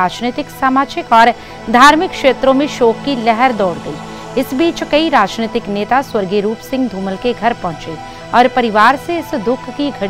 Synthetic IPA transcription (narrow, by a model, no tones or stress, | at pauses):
aːd͡ʒnet̪ɪksaːmaːd͡ʒɪkɔːɾ | d̪ʱaːɾmɪkːʃeːt̪ɾõmẽʃɔːkːilɛɦɛɾd̪ɔːɽd̪ei | ɪsbiːt͡ʃkɐiɾaːd͡ʒnet̪ɪkneːt̪aswɐɾɡeɾuːpsɪ̃ŋɡd̪ʱuːməlkeɡʱɐɾpɐ̃ɦʊ̃t͡ʃe | ɔːɾpɐɾɪʋaːɾseɪsd̪ʊkʰkiɡʱɐɽ